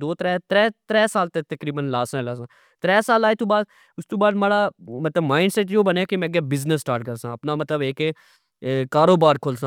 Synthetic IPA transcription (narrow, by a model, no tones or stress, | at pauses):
d̪oːt̪ɾɛːt̪ɾɛːt̪ɾɛːsaːlt̪et̪ɐkɾiːbənlaːsãlaːs̬ãː | t̪ɾɛːsaːlaːet̪ũːbaːd̪̚ | ʊst̪ũːbaːd̪maːɽaːmɐt̪ləbmaːɪ̃ɳɖsɛʈ̬joːbəneːkimɛ̃ɡeːbɪznəsːʈaːʈkəɾsãːɐpnaːmɐt̪ləbeːkeː | kaːɾoːbaːɾkʰoːlsãː